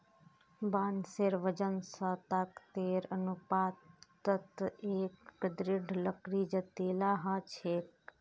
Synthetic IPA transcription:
baːnseɾʋəd͡ʒənsat̪akt̪eːɾənupaːt̪ət̪eːkd̪ɾɪɖʱləkɾiːd͡ʒɐt̪eːlaːɦaːt͡ʃʰeːk

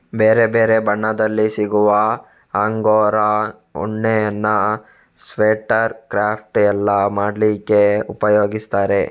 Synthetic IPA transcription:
beːɾebeːɾe̞bɐɳːɐd̪ɐlːisiɡuʋɐ | aːŋɡoːɾɐ | ɔ̰ɳːejɐnːɐ | sʋeːʈɐɾkɾaːpʰʈɛlːɐmaːɖlikːe̞upɐjoːɡist̪aːɾe̞

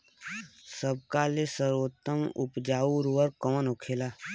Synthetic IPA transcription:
səb̚kalesəɾoːt̪ːəmʊ̰pd͡ʒaːuɾuːəɾkɔːənʊkʰeːlaː

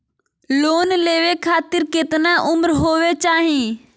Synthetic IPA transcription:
loːnleːʋekʰaːt̪ɪɾkɪt̪naʔʊmɾɦoːʋet͡ʃaːɦĩː

